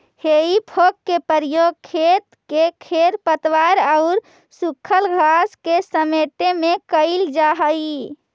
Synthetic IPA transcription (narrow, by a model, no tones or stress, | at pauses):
heipʰokːepəɾjoɡ̚kʰet̪kekʰeɾpət̪ʋaɾaʊɾ | sukʰəlɡʱaskesəmeʈemekəɪld͡ʒaɦəi